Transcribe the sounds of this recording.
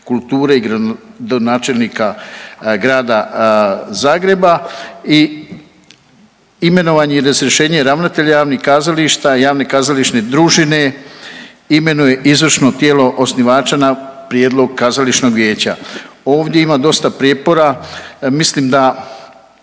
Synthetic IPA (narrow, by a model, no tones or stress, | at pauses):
kult̪uːɾe̞iɡɾa | d̪onaːt͡ʃe̞lnika | ɡɾaːd̪a | zaːɡɾe̞bai | ime̞no̞ʋaːɲeiɾazɾʲjeʃe̞ːɲeɾaʋnat̪e̞ʎajaːʋnixkaːzaliʃt̪ajaːʋne̞kazaliʃne̞d̪ɾuːʒine̞ | ime̞nuje̞ʔizʋr̩ʃno̞t̪je̞ːlo̞ʔosniʋaːt͡ʃanapɾjed̪lo̞ɡ̚kazaliʃno̞ɡʋje̞ːt͡ɕa̰o̞ːʋd̪je̞imad̪o̞st̪apɾjet̪̚po̞ɾamislimd̪a